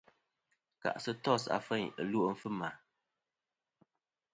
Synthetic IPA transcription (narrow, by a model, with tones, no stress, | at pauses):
ka̰˨ʔsɨ˦tɔ˦˨sa̰˨fɛ˦˨ɲə˨lu˦ʔm̩˦fɨ˦ma˨